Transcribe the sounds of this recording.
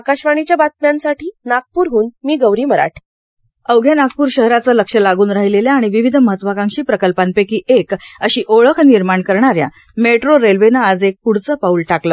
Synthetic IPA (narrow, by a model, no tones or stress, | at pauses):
akaɕʋaɳit͡ɕjabat̪̚mjansaʈiːnak̚puːɾɦuːnmiːɡəwɾiːməɾa̰ʈʰ | əwɡʱjanak̚puːɾɕəɦɾat͡sələkʂəlaɡuːnɾaɦileljaːɽ̃iʋiʋid̪ʱməɦət̪ːʋakãŋkɕiːpɾəkəlpanpekiːʔekəɕiːʔoɭəkʰniɾmaɳkəɾɳaɾja̰ | meʈɾoɾelʋenaːd͡zek̚puɽ̤t͡səːpaulʈakləː